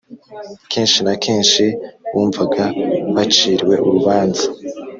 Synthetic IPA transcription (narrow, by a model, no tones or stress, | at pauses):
kʰeːnʃinakʰeːnʃiwuːɱvaɡaβat͡ʃiːɾwe̞ʔuɾuβaːnzḁ